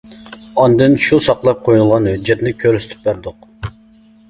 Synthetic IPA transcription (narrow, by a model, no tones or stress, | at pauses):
ɑnd̪ɨnʃusɑqlˠɑp̚qʰojnɨlˠʁɑnhyd͡ʒɛt̪nɪkʲʰøɾsy̥t̪ʰy̥p̚bæɾd̪ʊq